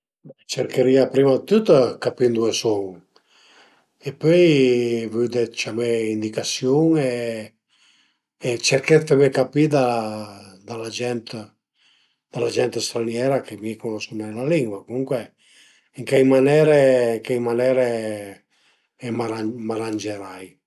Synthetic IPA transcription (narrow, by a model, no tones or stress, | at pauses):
t͡ʃeɾkeɾiapɾimat̪ut̪akapind̪uesɔŋ | epøjvyd̪et͡ʃameind̪ikasjoŋe | t͡ʃeɾket̪emekapid̪a | d̪alad͡ʒɛnt̪ | d̪̥alad͡ʒɛnt̪est̪ɾanjɛɾakemikonoskunɛlaliŋɡwakuŋkwe | iŋkejmanɛɾeŋkejmanɛɾe | ɛmaɾamaɾand͡ʒeɾaj